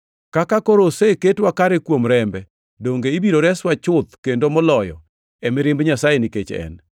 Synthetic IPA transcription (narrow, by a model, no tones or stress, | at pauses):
kakakoɾoseketwakaɾɛkwomɾɛmbɛ | doŋɡeibiɾoɾɛswat͡ʃʊt̪̚kendomɔlɔjɔ̰ | ɛmɪɾɪmbɲasajenɪket͡ʃɛ̰n